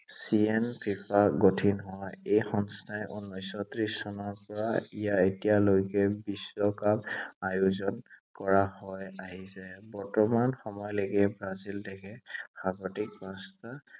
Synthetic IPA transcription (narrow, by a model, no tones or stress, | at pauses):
sienpʰipaɡotʰinɦɔjejxɔnstajʔunːɔjsɔtɹisːɔnɔɹpɔɹaijaetijalojkɛbisɔkamajuzɔnkɔɹahɔjaɦisɛbɔɹtɔmanxɔmɔjleɡɛbɹazildɛkʰɛb̥ʱaɡɔtik̚basta